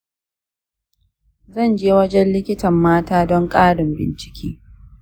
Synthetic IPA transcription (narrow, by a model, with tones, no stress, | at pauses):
zɐ˦˨nd͡ʒeː˦wɐ˦d͡ʒɛ˦nlɪ˦kʲɪ˦tɐ˨mːaː˦taː˦dɔ˦ŋkʼaː˦ɽɪ˨mbɪ̰˨nt͡ʃɪ̥˦kʲʰḭː˦